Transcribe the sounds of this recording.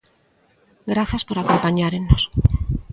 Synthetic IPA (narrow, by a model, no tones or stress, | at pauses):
ɡɾaθaspoɾakompaɲaɾenos